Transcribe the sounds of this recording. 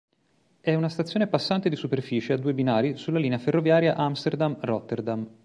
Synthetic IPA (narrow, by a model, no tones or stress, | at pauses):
ɛunast̪at̪sːjoːnepasːant̪ed̪isuperfiːt͡ʃead̪ːuːebinaːɾisulːaliːneaferːovjaːɾjaʔamst̪erd̪amrɔt̪ːerd̪am